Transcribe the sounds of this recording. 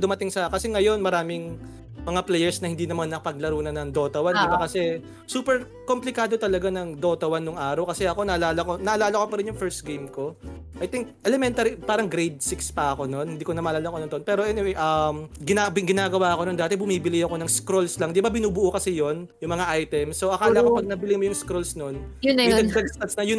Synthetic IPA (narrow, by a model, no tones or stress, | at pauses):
d̪ʊmɐt̪ɪŋsɐkɐsɛŋɐjo̞nmɐɾaːmɪŋ | mɐŋaplɛjɛɹsnɐhɪnd̪iːnɐmanːɐpɐɡ̚lɐɾuːnɐnɐŋd̪o̞ːt̪ɐwand̪ɪbakɐsɛ | suːpɛɾ | ko̞mplɪkaːd̪ot̪ɐlɐɡanɐŋd̪o̞t̪ɐwanːoŋʔaːɾɐwkɐsɛɐko̞nɐʔɐlaːlɐkonɐʔɐlaːlɐkopɐɾɪnjʊŋfɛɹst̪̚ɡejmko̞ | ʔɐjt̪ɪŋk̚ʔɛlɛmɛnt̪ɐɾipaːɾɐŋɡɾejd̪̚sɪkspɐʔɐko̞no̞nhɪnd̪iːkonɐmaːʔːlaːlɐkoɐnd̪ʔonpɛːɾoʔɛnɪwɛjʔɐmɡɪnabɪɡɪnaːɡɐwaːʔɐko̞nond̪aːt̪ɛbʊmiːbɪlɪjɐko̞nɐŋskɾolslɐŋhd̪ibabɪnuːbʊʔokɐsɪjo̞njʊŋmɐŋaʔajt̪ɛmsːoʔɐkaːlɐʔɐkopɐɡ̚nɐbɪlɪmojʊŋskɾolsno̞njʊɐd̪ɐɡst̪ɐsnɐjʊn